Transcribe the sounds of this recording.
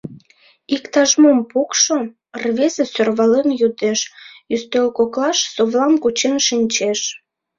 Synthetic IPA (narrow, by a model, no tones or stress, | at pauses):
ikt̪ɑʒmompukʃo | rβezesørβɑlemjud̪eʃjyst̪ølkoklɑʃsoβlɑmkut͡ɕenʃinʲt͡ɕeʃ